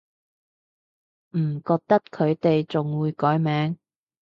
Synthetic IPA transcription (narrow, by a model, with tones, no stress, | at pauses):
m̩˨˩kɔː˧k̚t̪ɐ˥kkʰːɵ˨˧ɥt̪e˨jt͡sʊ˨ŋwuː˨˧jkɔː˨˥jmɛː˨˧˥ŋ